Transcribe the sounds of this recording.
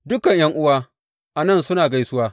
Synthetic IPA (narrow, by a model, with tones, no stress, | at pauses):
dʊ˦kɐ˨ɲjɐ˦ŋʔʊ˦waː˦ | ʔa˨nɐ˦˨nsʊ˦naː˨ɡa˦jsʊ˦waː˦